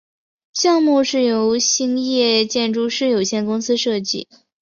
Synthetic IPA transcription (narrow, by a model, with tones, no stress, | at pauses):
ɕjɑ˥˧ŋmu˥˧ʂɻ̩˥˩jo˧˥ʊɕi˥ŋjɛ˥˩t͡ɕjɛ˥˧nʈ͡ʂu˥˧ʂɻ̩˥jo˨˩ʊɕjɛ˥˩nkʊ˥ŋsɹ̩˥ʂɤ˥˧t͡ɕḭ˥˩